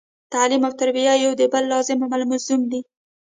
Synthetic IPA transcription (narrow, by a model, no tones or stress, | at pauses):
t̪alimawt̪aɾbijajawd̪əbəlːɑzɪmamalmazumd̪i